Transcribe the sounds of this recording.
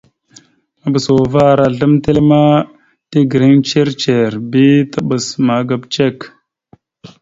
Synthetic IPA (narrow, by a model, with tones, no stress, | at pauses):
a˨bə˨so˨va˦˨ɾa˨ɮə˦mte˦lma˦ | ti˦ɡɾi˦ŋt͡ʃe˦ɾt͡ʃe˨ɾbi˦ta˦ɓə˨sma˨ɡa˨bt͡ʃe˦k